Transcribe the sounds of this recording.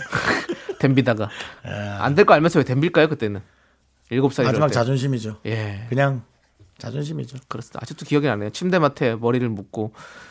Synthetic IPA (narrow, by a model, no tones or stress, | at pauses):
twe̞mbidaɡa | a̰ndwe̞ɭk͈ʌaɭmʌnsʰʌwetembiɭk͈ajokɯt͈e̞nɯn | iɭɡop̚s͈aɾimaimakt͡ɕad͡ʑunɕʰimid͡ʑoje̞kɯɲaŋ | t͡ɕad͡ʑunɕʰimid͡ʑokɯɾʌs͈ɯd̥a̰ad͡ʑut͈okijʌɡinanejot͡ɕʰimde̞matʰe̞mʌɾiɾɯɭmuk̚k͈o